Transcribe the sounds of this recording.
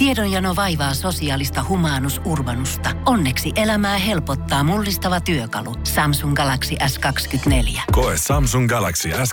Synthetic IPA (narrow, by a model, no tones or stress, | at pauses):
t̪iedonjɑnoʋɑjʋɑːso̞siɑːlist̪ɑhumɑːnusʔurʋɑnust̪ɑonːe̞ksiʔe̞læmæːɦe̞lpot̪ːɑːmulːist̪ɑʋɑt̪yøkɑ̰lusɑmsuŋɡɑlɑksiʔæskɑkskyt̪ne̞ljækoesɑmsuŋɡɑlɑksiæs